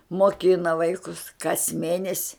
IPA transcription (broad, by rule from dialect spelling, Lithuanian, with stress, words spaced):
moːˈkʲɪnɐ ˈʋɐɪkʊs kɐs ˈmʲeːnʲɛsʲɪ